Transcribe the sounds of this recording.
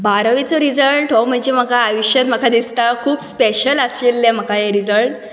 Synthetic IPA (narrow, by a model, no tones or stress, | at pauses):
baɾəʋit͡sɔɾid͡zəɭʈɦɔm̤əɳd͡ʑem̤əkaːjuɕət̪m̤əkad̪ist̪akʰuːbspeɕələselːem̤əkʰajeɾid͡zəlʈ